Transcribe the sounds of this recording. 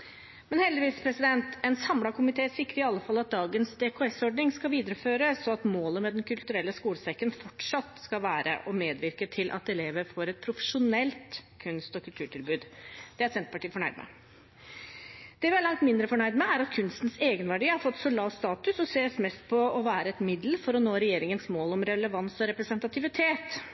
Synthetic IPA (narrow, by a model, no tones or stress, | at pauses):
mɛnhɛld̪ɪʋiːspʰɾɛsɪd̪ɛnt̪ɛnsɑmlɑkʰʊmɪt̪ʰeːsɪkːəɾɪɑlːəfɑlːɑt̪̚d̪ɑːɡənsd̪ɛkʰɔɛsɔɖɳɪŋskɑʋiːd̪əɾəføːɾəsɔɑt̪moːləmɛd̪ɛnkʰʉlt̪ʉɾɛlːəskuːləsɛkːənfɔʈʂɑt̪skɑʋæːɾə̰ʔɔmeːd̪ʋɪɾkət̪ʰɪlʔɑ̰t̪ɛleːʋəɾfɔɾɛt̪̚pʰɾʊfə̥ʂʊnɛlt̪kʰʉnst̪ɔkʰʉlt̪ʰʉːʈʰɪlbʉːd̪d̪̥ɛæɾsɛnt̪̚pɑʈiːfɔɳæɪd̪əmɛ̰ | d̪̥ɛʋɪæɭɑŋt̪mɪnd̪ɾəfɔɳæɪd̪mɛæɾɑt̪kʰʉnst̪n̩seːɡənʋæɖiːhɑɾfɔt̪ːsɔlɑːʋst̪ɑːt̪ʉsɔseːsmɛst̪̚pʰɔɔʋæːɾəɛt̪mɪd̪l̩fɔɾɔnoːɾɛjeːɾɪŋənsmoːlɔmɾɛləʋɑnsɔɾɛpɾɛsənt̪ɑt̪ʰɪʋɪt̪ʰeːt̪